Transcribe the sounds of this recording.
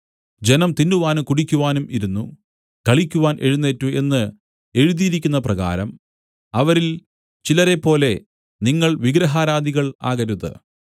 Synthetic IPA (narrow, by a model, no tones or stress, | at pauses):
d͡ʑe̞nɐmt̪induʋaːnukuɽikʲːuʋaːnumʔiɾunːu | kɐɭikʲːuʋaːnʔe̞̰ɻunːeːtːue̞nːɨ | e̞ɻuðijiɾikʲːunːɐprɐɣa̰ːɾɐm | ɐʋɐɾil | t͡ɕilɐɾe̞pːo̞ːle̞ | niŋːɐɭʋiɡɾɐɦaːɾaːd̪iɣɐɭa̰ːɣɐɾuðɨ̰